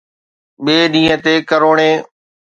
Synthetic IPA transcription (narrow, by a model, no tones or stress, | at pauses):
ɓeːɗĩːɦə̃t̪eːkəɾoːɳẽː